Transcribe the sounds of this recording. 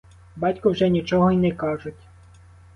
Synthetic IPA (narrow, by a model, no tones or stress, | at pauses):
bɑtʲkʊwʒɛnʲit͡ʃɔɦɔinɛkɑʒʊtʲ